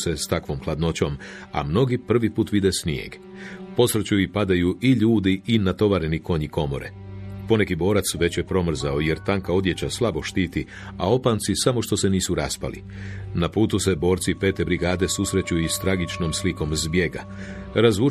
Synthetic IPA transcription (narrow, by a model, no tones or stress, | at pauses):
se̞st̪akʋo̞mxlad̪no̞t͡ɕo̞ma̰mno̞ɡipr̩ʋipuːt̪ʋid̪esniḛɡ | po̞sɾet͡ɕuipad̪ajuiʎuːd̪iinat̪o̞ʋaːɾeniko̞ɲiko̞mo̞̰ɾe̞̰ | po̞ne̞kibo̞ːɾat̪sʋe̞t͡ɕje̞pɾo̞mr̩zaoje̞ɾt̪aŋkao̞d̪je̞t͡ɕaslˠabo̞ʃt̪iːt̪i | ao̞paːnt̪sisamo̞ʃt̪o̞se̞niːsuɾaspa̰lḭ | napuːt̪use̞bo̞ːɾt̪sipe̞ːt̪e̞bɾiɡaːd̪e̞susɾe̞t͡ɕuist̪ɾaɡit͡ʃno̞msliko̞mzbje̞ɡa̰ | ɾazu